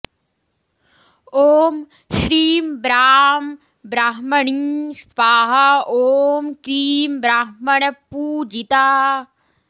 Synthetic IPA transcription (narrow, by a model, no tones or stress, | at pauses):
oːm | ʃɾiːmbɾaːm | bɾaɦmɐɳist̪ʋaːɦɐoːmkɾiːmbɾaɦmɐɳɐpːuːd͡ʒit̪aː